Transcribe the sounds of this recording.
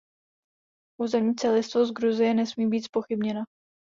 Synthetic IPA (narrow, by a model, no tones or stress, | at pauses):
ʔuːzɛmɲiːt͡sɛlɪst̪vozɡɾuzɪjɛnɛsmiːbiːt̪spo̞xɪbɲɛna